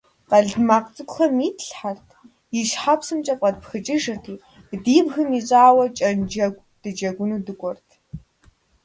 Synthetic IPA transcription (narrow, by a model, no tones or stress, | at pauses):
qɐɮmaːqt͡sʼɨkʷʼxɐmiːtʰɬħartʰ | jiʃħapsɨmt͡ʃʼɐpʼɐd̚pxɨt͡ʃʼɪʒɐtʰiː | diːbxɨmiɕʼaːwɐt͡ʃʼɐnd͡ʒɐɡʷd̥ɨd͡ʒɐɡʷʊnuːdɨkʷʼɔrtʰ